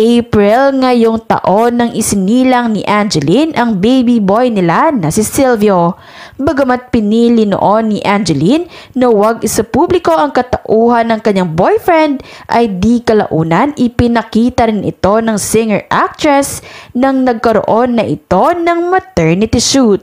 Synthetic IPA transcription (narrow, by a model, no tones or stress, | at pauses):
ʔejpɹɪlŋɐjo̞ŋt̪ɐ̰ʔo̞nːɐŋʔɪsɪniːlɐŋniʔand͡ʒɛlinʔɐŋbejbibo̞jnɪlanɐsɪsɪlvio | bɐɡɐmat̪̚pɪniːlɪno̰ʔo̞nːɪʔand͡ʒɛlinːɐwɐɡʔɪsɐpublɪko̞ʔɐŋkɐt̪ɐʔuːɦɐnɐŋkɐɲːaŋbo̞jfɹɛnd̪̚ʔɐjd̪ikɐlɐ̰ʔuːnɐnʔɪpɪnɐkiːt̪ɐɾɪnɪ̰t̪o̞nɐŋsɪŋɛɹʔak̚t̪ɹɛsnɐŋnɐɡ̚kɐɾo̰ʔo̞nːɐʔɪt̪o̞nɐŋmɐt̪ɛɹnɪt̪ɪʃut̪̚